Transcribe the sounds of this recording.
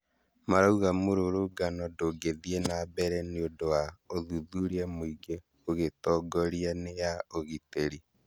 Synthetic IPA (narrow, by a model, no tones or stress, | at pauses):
maɾauɣamoɾoɾoɡanɔdoɡeðienabɛɾɛneodowaoðuðuɾiamwiɡe | oɣetɔɡɔɾianejaoɣiteɾi